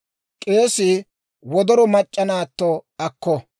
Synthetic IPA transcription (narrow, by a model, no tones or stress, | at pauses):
kʼe̞ːsɪ | wɔd̪ɔɾɔmɐt͡ʃʼːɐnaːt̪ːɔɐkːɔ